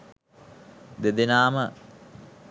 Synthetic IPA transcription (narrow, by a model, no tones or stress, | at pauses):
d̪ed̪enaːmə